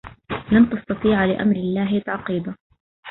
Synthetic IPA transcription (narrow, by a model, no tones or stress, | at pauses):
lant̪ɑst̪ɑt̪ˤiːʕlɪʔa̰mɾɪlːaːhɪt̪aʕqiːd̪a